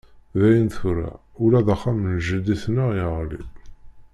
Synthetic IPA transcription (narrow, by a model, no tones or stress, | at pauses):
ðæjənθfɾːa̰ | ʊlæðəχːamnʒəd̪iθnəʁiʁlḭb